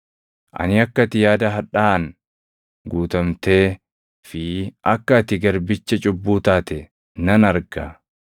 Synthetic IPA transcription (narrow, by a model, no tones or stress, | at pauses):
ʔɐ̰nɪɐkːɐt̪ɪjaːd̪ɐɦɐᶑaːn | ɡuːt̪ɐmt̪e̞ː | fɪɐkːɐt̪ɪɡɐɾbɪt͡ʃːɛt͡ʃʼʊbːuːt̪aːt̪ɛ | nɐnɐɾɡɐ